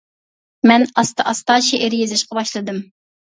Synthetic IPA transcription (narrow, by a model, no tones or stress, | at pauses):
mɛnɑst̪ɑʔɑst̪ɑːʃiʔeɾɪjezɪʃqɑbɑʃlˠɨd̪ɨm